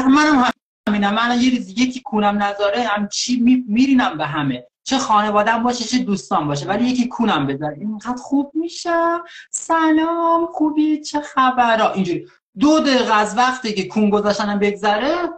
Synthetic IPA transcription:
mænæmhæ | miːnæmːænɒjeɾuːzijecʰikʰuːnæmnæzɒɾehæmt͡ʃʰiːmimiɾiːnæmbeɦæme̞ | t͡ʃʰexɒːne̞vɒːd̪æmbɒːʃet͡ʃʰed̪uːst̪ɒːmbɒːʃ̬evælije̞cʰiːkʰuːnæmbezɒɾeiŋɡæːd̪̥xub̥̚miːʃæmsænɒːmχuːbit͡ʃʰexæbæɾɒːʔind͡ʒuːɾi | d̪od̪eɣæzvæχt̪ikekʰuːnɡo̞zɒːʃt̪ænæmbe̞ɡzæɾe

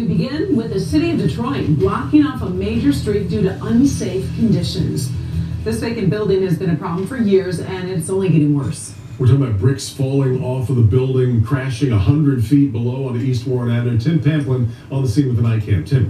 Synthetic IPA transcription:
tɨbɨɡɪ̃nwɪðɨsɪɾiʌvdɨtʰɹ̥ɔɪ̃nblɑkɪ̃ŋɔfəmeɪd͡ʒə˞stɹ̥ip̚d̥ʉɾɨʔʌ̃nseɪfkʰɨ̃n̩dɪʃɨ̰̃nzðɪsvɛɪkɨ̃nbɪlˠdɪ̃ŋɨzbɨ̃nɨpʰɹ̥ɑblə̃ɱ̩fə˞jɪɹzɨ̃nɨɾsõʊ̃nliɡɛɾɪ̃ŋwɜ˞s | wəɹtʰɔkɪ̃ŋəbaʊt̚b̥ɹɪksfɔlˠɪ̃ŋɔfʌvðəbɪlˠdɪ̃ŋkʰɹ̥æʃɪ̃ŋəhʌ̃ndɹɨd̥fit̚b̥əloʊə̃nðiist̚wɔɹɨ̃nanə̃˞tʰɛ̃npʰæ̃mplə̃n | l̩ˠðəsĩnwəðənaɪt̚kʰæ̰̃m̚tʰɪ̃n

